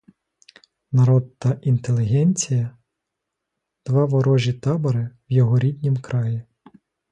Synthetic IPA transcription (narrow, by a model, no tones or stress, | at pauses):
nɐɾɔd̪̚t̪ɐʔint̪elʲˠɪɦɛnʲt͡sʲijɐ | d̪̥ʋɑʋɔɾɔʒʲit̪ɑbɐɾɪwjɔɦɔɾʲid̪ʲnʲimkɾɑji